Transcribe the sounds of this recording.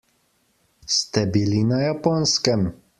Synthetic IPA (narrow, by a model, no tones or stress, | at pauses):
st̪ɛbilinajapɔnskɛm